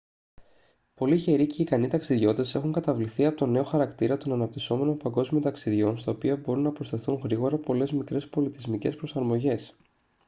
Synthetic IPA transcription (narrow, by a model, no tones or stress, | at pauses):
po̞liçe̞ɾice̞ikɐnit̪ɐksiðʝo̞t̪e̞se̞xuŋkɐt̪ɐvliθiɐpot̪o̞ne̞o̞xɐɾɐkt̪iɾɐt̪o̞nɐnɐp̚t̪iso̞me̞no̞pɐŋɡo̞zmio̞t̪ɐksiðʝo̞nst̪ɐopiɐbo̞ɾunːɐpɾo̞st̪e̞θuŋɣɾiɣo̞ɾɐpo̞le̞zmikɾe̞spo̞lit̪izmice̞spɾo̞sɐɾmo̞ʝe̞s